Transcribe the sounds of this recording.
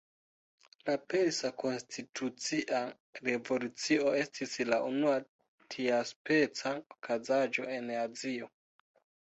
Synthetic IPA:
lape̞ɾsako̞nstʰitʰut͡siʔa | ɾe̞vo̞lut͡sio̞e̞stislaʔunua | tʰiaspe̞t͡saokʰazad͡ʒo̞e̞nazio̞

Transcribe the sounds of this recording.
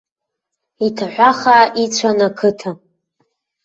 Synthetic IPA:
itʰaħʷaχaʔit͡ɕʷʰanakʰɨtʰa

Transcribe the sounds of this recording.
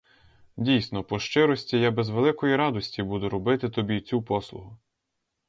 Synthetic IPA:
dʲijsnɔpɔʃt͡ʃɪɾɔsʲtʲijɑbezʋelˠɪkɔjiɾɑd̪ɔsʲtʲibud̪ʊɾɔbɪt̪ɪt̪ɔbʲit͡sʲupɔslˠʊ̰ɦʊ

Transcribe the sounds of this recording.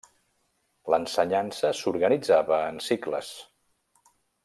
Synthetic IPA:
lənsəɲansəsuɾɣənid͡zaβəːnsiklə̰s

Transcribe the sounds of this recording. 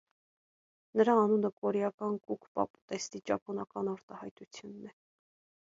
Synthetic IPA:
nəɾɑːnunəkʼɔɾɛjɑkɑnkukʰpɑ̰pu̥t̪ɛst̪it͡ʃɑpʰɔnɑkɑnɑɾt̪ɑhɑjt̪ut͡sʰjunːɛ

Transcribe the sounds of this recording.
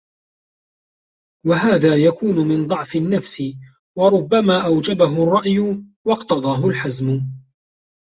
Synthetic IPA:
waɦaːðaːjakuːnʊmɪnd̪ˤɑʕfɪnːafsɪ | wɑɾˤʊbːamaːʔawd͡ʒabaɦʊrˤːɑʔjʊwɑqt̪ɑd̪ˤɑːɦʊlħazmʊ

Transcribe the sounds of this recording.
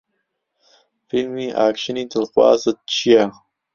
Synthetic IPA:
filmiːʔaːkʃənid̪əlxwɑ̰ːzət͡ʃʰija

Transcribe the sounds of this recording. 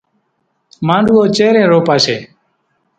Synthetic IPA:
mãːɳɖuːoːt͡ʃeːɾẽːɾoːpaːseː

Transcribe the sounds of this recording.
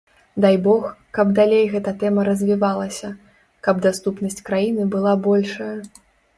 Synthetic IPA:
d̪ajbɔxkɐbd̪alʲejɣɛt̪ɐt̪ɛmɐɾɐzʲvʲivalˠɐsʲɐ | kɐbd̪ast̪upnɐsʲt͡sʲkɾajinɨbɨlˠabɔlʲʂɐjɐ

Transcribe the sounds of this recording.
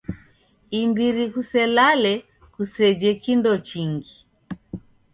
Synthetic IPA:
imbiɾikusɛlalɛ | kusɛd͡ʒɛkindɔt͡ʃiŋɡi

